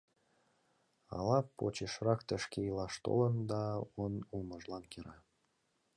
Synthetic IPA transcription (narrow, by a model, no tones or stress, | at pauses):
ɑ̰lɑpot͡ɕeʃrɑkt̪əʃkeilɑʃt̪o̰lənd̪ɑonulməʒlɑnkeɾɑ